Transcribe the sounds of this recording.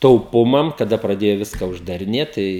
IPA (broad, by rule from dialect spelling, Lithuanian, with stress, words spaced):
tɐʊˈpʊmɐm kɐˈdɐ prɐˈdʲeːjʊ ˈʋʲɪskɐ ʊʒdɐrʲɪˈnʲeːt ˈtɐɪ